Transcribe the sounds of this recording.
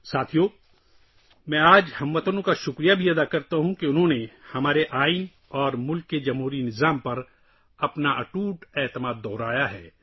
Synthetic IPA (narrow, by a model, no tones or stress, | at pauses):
saːt̪ʰijoː | mɛ̃ːaːd͡ʒhɐmʋɐt̪ənõkaʃʊkɾijabʱiɐd̪akɐɾt̪aɦũkeʊnɦõːnehɐmaːɾeʔaːin | ɔːɾmʊlkːed͡ʒɐmɦuːɾinɪzaːmpɐɾ | ɐpnaʔɐʈuːʈɛːt̪əmaːd̪ːɔːɾaːjaɦɛː